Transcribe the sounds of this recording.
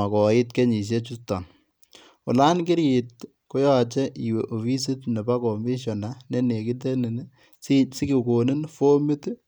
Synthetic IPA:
a˨kɔ˨ɪ˦tke˦ɲi˨s̬e˦t͡ʃu˦stɔ̰˨n | ʊ̰˨la˦nkɪ˦ɾi˨t̚ | ko˦jɔ˦t͡ʃɛ˦ʔi˨we˨ʔo˨fi˦s̬i˦tne˨ba˦ko˨mi˦ʃɔ˨na˨ne˦ne˨ki˦t̬e˦ni˨n | sɪ˦ɡi˨ko˨nɪ˦nfo˦mɪ˦t

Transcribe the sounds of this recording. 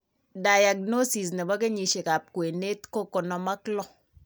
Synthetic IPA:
da˨ja˨kno˦si˨s̬ne˨bɔ˦ke˦ɲi˨ʃe˨ka˨p̚kwe˨ne˦tko˦ko˨nɔ˦ma˦klɔ˦

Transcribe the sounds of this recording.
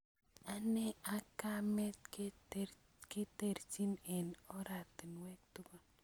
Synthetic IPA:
a˨nɛ˦a˦ka˦mɛ˦t̪k | kɪ˦te˨ɾt͡ʃi˦nɛ˨nɔ˦ɾa˨tɪ˨nwɛ˦k̚tʊ˦ɡa˦

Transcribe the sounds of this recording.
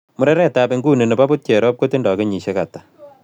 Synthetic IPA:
mʊ˦ɾɛ˦ɾɛ˦tabeŋɡu˦ne˨ne˨pa˦bu˦t̚t͡ʃɛ˨ɾɔ˦p̚ko˦te˦ndɔ˨ke˦ɲi˨ʃe˦ka˨tḁ˨

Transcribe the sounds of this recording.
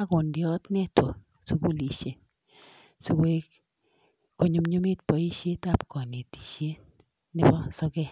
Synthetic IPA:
a˦ko˨ndɪ˨ɔ˦tnɛ˦twɔ˨ | su˦ku˦li˨ʃe˨n | su˦kwe˦k | ko˦ɲu˦mɲu˦mi˦tpɔ˨i˦ʃe˦ta˦˨pkɔ˨ni˨ti̥˨ʃe˦ | nɪ˦bɔ˦sɔ˦kɛ˦˨

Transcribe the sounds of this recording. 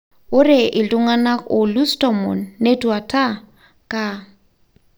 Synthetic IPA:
ʊ˦rɪ˨ʔɪ˨tʼʊ˦ŋa˦na˦kʊ˨lu˦stʼɔ˨mɔ̰˨nːe˦tʼu˨a˨tʰʼa˦ | kʼa˦

